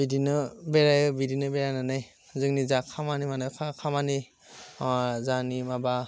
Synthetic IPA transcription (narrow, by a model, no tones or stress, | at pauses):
bidinɯbɛɹajɯbidinɯbɛɹajnanaj | zɯknizakʰamanimanɯkʰakʰamani | zanimaba